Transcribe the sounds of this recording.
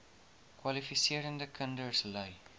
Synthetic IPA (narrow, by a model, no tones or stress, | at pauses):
kwɐlifisiəɾəndəkʰəndərsləj